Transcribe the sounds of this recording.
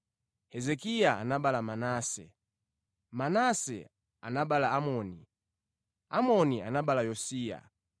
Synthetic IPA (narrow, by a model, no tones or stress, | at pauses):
hɛzɛkijaa̰naɓalamanaːsɛ̰ | manasɛ̰ | a̰naɓalaamɔni | amɔnia̰naɓalajɔsiːja̰